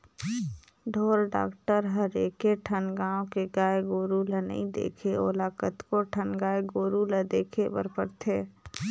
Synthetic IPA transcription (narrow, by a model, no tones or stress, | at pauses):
ɖʱoːɾɖa̰ːkʈəɾɦəɾeːkeʈʰənɡaːõkeɡaːeɡoːɾuːlənə̰ɦĩd̪ḛːkʰeo̰ːlaːkət̪koʈʰənɡaːeɡoːɾuːləd̪eːkʰepə̰ɾpəɾt̪ʰeː